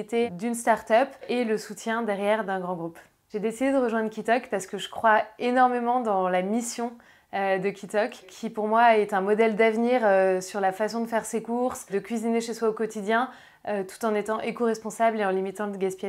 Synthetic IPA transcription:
it̪ed̪ynst̪aʁt̪œpeləsut̪jɛ̃d̪ɛʁjɛʁd̪ɛ̃ɡʁɑ̃ɡʁup | ʒ̥ed̪esid̪ed̪əʁəʒwɛ̃d̪ʁkʲit̪ɔkpaʁsə̥kəʒəkχwaenɔʁmemɑ̃d̪ɑ̃lamisjɔ̃ | ød̪əkʲit̪ɔkʰʲːipuʁmwaɛt̪ɛ̃mɔd̪ɛld̪avniʁøsyʁlafasɔ̃d̪əfɛʁsekuʁsd̪əkʲɥizineʃeswaokɔt̪id̪jɛ̃ | øt̪u̥t̪ɑ̃net̪ɑ̃ʔekoʁɛspɔ̃sableɑ̃limit̪ɑ̃d̪əɡʲaspja

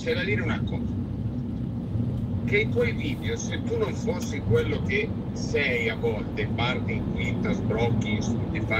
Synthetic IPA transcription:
t͡ʃɛlaliːɾeunakːɔza | k̟eit̪wɔjviːd̪eoset̪ːunːoɱfosːiŋkwelːok̟e | sɛjavɔlt̪efart̪iŋkwint̪azbɾɔkːiŋsd̪efa

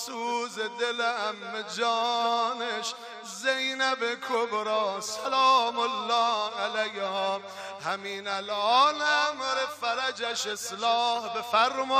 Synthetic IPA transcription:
suːzed̪elehæmːed͡ʒɑːneʃ | zejnæbekʰobɾɑːsalɑːmolːɒːalæjhɔː | hæmiːnælɑːlæmɾefæɾæd͡ʒæʃeslɑːhbefæɾmɔː

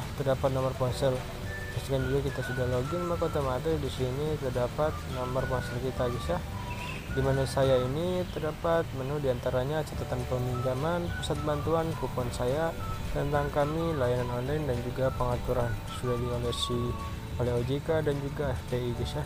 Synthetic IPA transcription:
t̪ərdapat̪̚nomərpɔnsɛl | past̪ikand͡ʒuɡakit̪asudaɦloɡinmakot̪amaɾidisinit̪ərdapat̪̚nomərpɔnsɛlkit̪ad͡ʒisjah | dimanasajainit̪ərdapat̪̚mənudiant̪aɾaɲat͡ʃat̪at̪anpəmiɲd͡ʒamanpusat̪̚bant̪uankupɔnsajat̪ənt̪aŋkamilajananɔnlajndand͡ʒuɡapəŋat̪uɾansudahdiolɛsi | oleod͡ʒikadand͡ʒuɡaft̪eid͡ʒisjah

